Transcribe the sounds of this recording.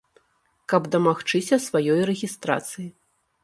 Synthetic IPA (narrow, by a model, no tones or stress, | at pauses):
kɐbd̪ɐmaxt͡ʂɨsʲɐsvajɔjrɛɣʲist̪ɾa̰t̪sɨji